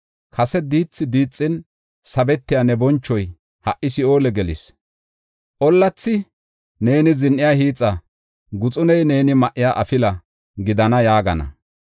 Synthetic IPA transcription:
kʰɐsɛd̪iːt͡sːɪd̪iːt͡sʼːɪn | sɐbɛt̪ːɪjanɛbɔnt͡ʃːɔj | hɐʔɪsɪo̞ːlɛɡɛlɪs | ʔɔlːɐt͡sːɪ | ne̞ːnɪzɪnʔɪjahiːt͡sʼːɐ | ɡʊt͡sʼʊnɛjne̞ːnɪmɐʔːɪjaʔɐfɪlɐ | ɡɪd̪ɐnɐjaːɡɐnɐ̰

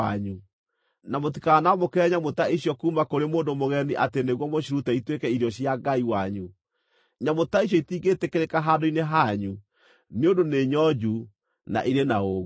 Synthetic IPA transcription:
a̰ɲu | namotikaːnamokɛɲamotaiɕjɔkuːmakoɾemoːndomoɣɛniʔateneɣwɔmoɕiɾutɛitwekɛiɾjɔɕjaɡaiwaɲu | ɲamotaiɕ̬ɔitiːɡetekeɾekaɦaːdoineɦaɲu | neondoneɲɔd͡ʒu | na̰ʔiɾenaoɣ

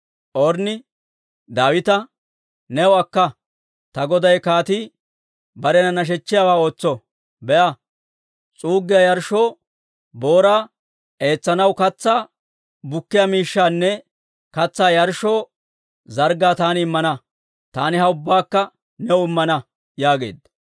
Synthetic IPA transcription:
ʔɔɾnɪ | d̪aːwɪt̪ɐ | nɛwʊɐkːɐ | t̪ɐɡɔd̪ɐjkaːt̪ɪ | bɐɾɛnɐnɐʃ̬ɛt͡ʃːɪjaːwaːo̞ːt͡sːɔ | bɛʔɐ | t͡sʼuːɡːɪjɐjɐɾʃo̞ː | bo̞ːɾaː | e̞ːt͡sːɐnɐwkɐt͡sːaː | bʊkːɪjɐmiːʃːaːnːɛ | kɐt͡sːaːjɐɾʃoː | zɐɾɡaːt̪aːnɪɪmːɐnɐ | t̪aːnɪɦɐʊbːaːkːɐ | nɛwʊɪmːɐnɐ | jaːɡe̞̰ːd̪ɐ

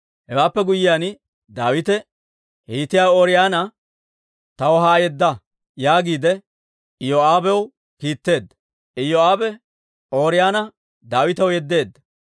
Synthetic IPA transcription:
hɛwaːpːɛɡʊjːɪjaːn | d̪aːwɪt̪ɛ | hiːt̪ɪjaːwoːɾɪjaːnɐ | t̪ɐwɔɦaːjɛd̪ːɐ | jaːɡiːd̪ɛ | ɪjoaːbɛw | kiːt̪ːe̞ːd̪ːɐ | ɪjoaːbɛ | oːɾɪjaːnɐ | d̪aːwɪt̪ɐwjɛd̪ːe̞ːd̪ːɐ

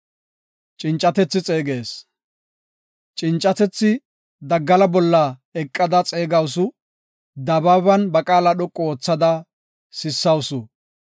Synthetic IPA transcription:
t͡ʃʼɪnt͡ʃʼːɐt̪ɛt͡sːɪt͡sʼe̞ːɡe̞ːs | t͡ʃʼɪnt͡ʃʼːɐt̪ɛt͡sːɪ | d̪ɐɡːɐlɐbɔlːɐɛkʼːɐd̪ɐt͡sʼe̞ːɡɐwsʊ | d̪ɐbɐβɐnbɐkʼaːlɐɗɔkʼːoːt͡sːɐd̪ɐ | sɪsːɐwʊsʊ

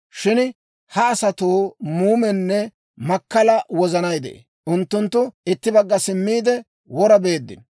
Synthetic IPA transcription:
ʃɪn | hɐːsɐt̪uːmuːmɛnːɛ | mɐkːɐlɐwɔzɐnɐjd̪ɛ̰ʔḛ | ʔʊnt̪ːʊnt̪ːʊɪt̪ːɪbɐɡːɐsɪmːiːd̪ɛ | wɔɾɐbe̞ːd̪ːɪ̰n

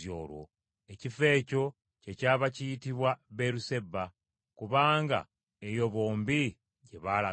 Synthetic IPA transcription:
jo̰ːlwo̞̰ | ecife̞ːco̞ | ce̞caːβacijitiβwaβeɾuse̞bːa | kuβaːŋɡa̰ | ejo̞βo̞ːmbi | ɟe̞βaːla

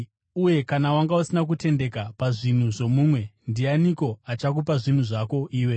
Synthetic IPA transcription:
uje̞kanawaŋɡausinak̬ute̞nde̞kapaʐin̤uʐo̞muːmwe̞ndianiko̞at͡ʃak̬upaʐin̤uʐako̞ʔiːwe̞

